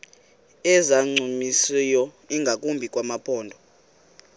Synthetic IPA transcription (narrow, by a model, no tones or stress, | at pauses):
ɛzaŋ͡ǀumisijɔ | iŋɡʱakʼumbʱikʼwamapʼʰɔːndʱɔ